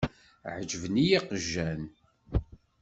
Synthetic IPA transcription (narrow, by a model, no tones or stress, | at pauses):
ʕəd͡ʒəvnijiqəʒːæn